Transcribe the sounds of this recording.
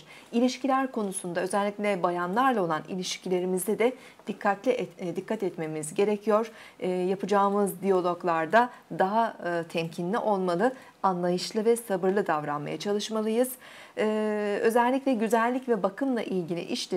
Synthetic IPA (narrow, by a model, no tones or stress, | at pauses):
ilʲiʃcilʲæɾkʰo̞nusund̪aø̞zɛlʲːiclʲɛbajanlˠaɾlˠao̞lˠanḭlʲiʃcʰilʲe̞ɾimizd̪ɛd̪ɛ | d̪̥ikʰːat̪lʲiʔd̪ikʰːat̪ɛt̪me̞mizɟe̞ɾɛcʰijo̞ɾ̥japʰɯd͡ʒaːɯmɯzd̪ijo̞lˠo̞ɡlˠaɾd̪ad̪aɦat̪ʰɛmcʰinlʲiʔo̞lˠmalˠɯ | anlˠajɯʃlˠɯvɛsabɯɾlˠɯd̪avɾanma̰ja̰t͡ʃʰalˠɯʃmalˠɯjɯz̥ː | ø̞zɛlʲːiclɛɟyzælʲːicvɛbakʰɯmlˠa̰ʔilʲɟilʲḭʔiʃlʲɛ